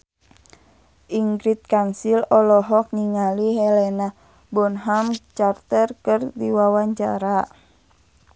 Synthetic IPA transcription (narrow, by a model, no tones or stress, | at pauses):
ʔiŋɡɾit̪̚kansilɔlɔɦɔk̚ɲiŋaliɦɛlɛna | bɔnɦamt͡ʃart̪ərkərdiwawaɲt͡ʃa̰ɾa